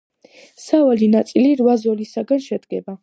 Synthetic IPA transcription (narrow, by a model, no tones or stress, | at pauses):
savalinat̪sʼiliɾvazɔlisaɡanʃɛd̪ɡɛba